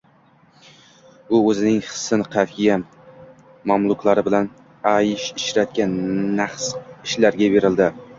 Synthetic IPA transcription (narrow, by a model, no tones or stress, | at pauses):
ʊɵzɪnɪŋχɨ̥sɪnqʰafija | mamlˠʊklˠaɾɪbɪlan | ajɪʃɪʃɾat̪̚kʲanːaχsɪʃlaɾɡʲabe̞ɾɪld̪ɪ